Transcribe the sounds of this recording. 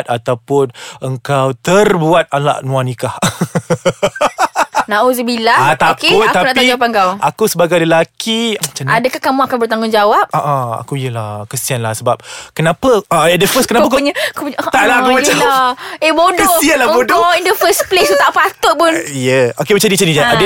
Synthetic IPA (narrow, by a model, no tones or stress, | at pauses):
t̪̚at̪awpʊnəŋkawt̪ərbuat̪̚ala̰ʔnũanĩkah | nãʔozəbilaat̪apʊkt̪aunaʔtp̪aiapaŋkawʔakusəbaɡajləlakʰimət͡ʃanadəkahkamũakanbərt̪aŋɡʊŋd͡ʒawap̚aʔaa̰kuijəlahkəsianlahsəbap̚kənãpaəadəfəskənapakɲəkopuɲt̪aʔlaakumat͡ʃaaebodkəosianlabodɔindəfəsplesut̪aʔfat̪ʊʔ̚pʊnijəokemat͡ʃandit͡ʃanid͡ʒaadə